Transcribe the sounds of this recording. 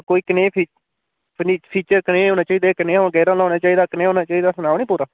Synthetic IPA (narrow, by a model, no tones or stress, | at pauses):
koːiːkəneːpʰiː | niːpʰiːt͡ʃəɾkəneːɦoːnaːt͡ʃaːiːd̪akəneːɦoɡɛːɾãːlaːnaːt͡ʃaːiːd̪aːkəneːõːnaːt͡ʃaːiːd̪aːsənaːʋniːpuːɾaː